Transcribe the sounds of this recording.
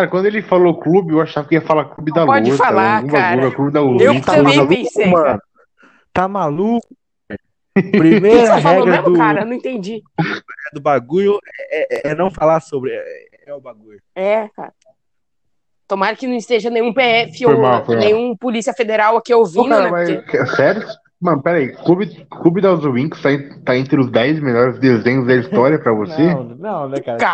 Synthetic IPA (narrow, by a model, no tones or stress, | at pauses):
aɾɐkw̃nd̪ʊelɪfaloʊklubɪewaʃʊ̥ʃavɐkɪiɐfalaklubɪd̪alpɔud͡ʒɪfalaũbaaɡuʎɐklubɪd̪auew̃t̪aẽaluẽskẽmɐ̃nʊ | t̪amalukʊ | pɾimejɾɾɐɦaɛ̃ɾɐẽmʊkaɾɐnɐ̃w̃ĩt̪ẽnd͡ʒiɛd̪ʊbaɡuʎʊɛɛʔɛɛnɐ̃w̃falasobɾɪɛ̰ɛ̰ | ɛʊbaɡuʎʊɛka̰ɾ | t̪omaɾkɪnɐ̃w̃ist̪eʒɐnẽj̃ũpeɛfɪojmawfomnẽj̃ũpolisiɐfed̪eɾawakiovĩaɾɐvajkɛsɛɾɪ | mɐ̃nʊpɛɾɐikubɪkubid̪awzovĩkʊ̥st̪ãt̪aẽnt̪ɾɪʊzd̪ɛjzmeʎɔɾɪzd̪ezẽɲʊzd̪ɐist̪ɔɾiɐpɾɐvosenɐ̃w̃nɛkaka